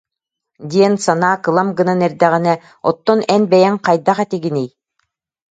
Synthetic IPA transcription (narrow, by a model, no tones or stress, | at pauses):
d̪ʲiɛnsanaːkɯlˠamɡɯnanɛɾd̪ɛʁinɛ | ɔt̪ːɔnɛnbɛjɛŋqajd̪aχɛt̪iɡinij